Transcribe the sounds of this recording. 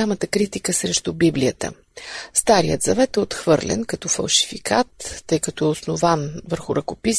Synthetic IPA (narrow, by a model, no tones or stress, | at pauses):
amət̪əkɾit̪ikəsɾɛʃt̪ʊbiblijət̪ə̰ | st̪aɾijə̰t̪zɐvɛt̪ɛot̪xvɤɾlɛ̰nkɐt̪ɔfɐ̰lˠʃi̥fikat̪ːɤjkɐt̪ɔɛosnovanvəɾxʊɾɐkopis